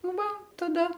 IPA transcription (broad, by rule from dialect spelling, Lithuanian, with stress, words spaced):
ˈʋɐ tɐˈdɐ